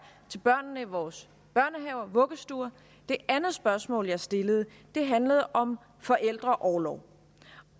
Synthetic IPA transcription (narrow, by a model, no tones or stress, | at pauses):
t͡sʰe̝lb̥ɶɐ̰nːəiʋɒːs | b̥ɶɐnəɦɛʊ̰ɐʋɔ̽ɡ̥əsd̥uːɐ | d̥e̝ʔænð̩ˠsb̥ɶɐsmɔ̰ːljɑ̈ɪsd̥e̝ləð̞̩ˠ | d̥e̝ɦænləð̞̩ˠʔɒ̽m | fɒ̽ʔel̰d̥ʁɐʔɒʊːlɒʊ̰